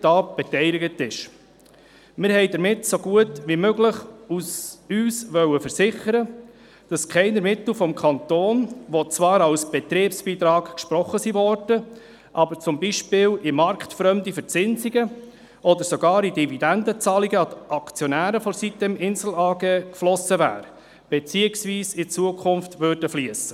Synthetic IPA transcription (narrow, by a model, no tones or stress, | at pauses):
d̥ɑːb̥ɛtɛɪdɪɡətɪʃ | mɪɾhɛɪdəɾmɪtsoɡuətʋimøɡləχusyːsʋœwəfəɾsɪχəɾə | d̥ɑskʰɛɪnəɾmɪt̪l̩fɔmkʰɑnt̪oːnʋot͡sʋɑːɾɑwsb̥ɛt̪ɾeːpsb̥iːt̪ɾɑːkkʃpɾɔχəsivɔrd̥ə | ʔɑbəɾt͡sʊmbiʃpɪːlɪmɑɾkt̪fɾœmd̪ifəɾt͡sɪnsiɡə | ʔɔd̪əɾsɔɡɑːɾid̥ivid̪ænd̪ət͡sɑliɡəɑtɑkt͡sjɔnæːɾəfɔɾsit̪ːəmɪnzl̩ɑːɡɛkflɔsəvæ̰ːɾ | b̥et͡siːəksviːsɪt͡suəkʰʊnftvørd̥əfliəsə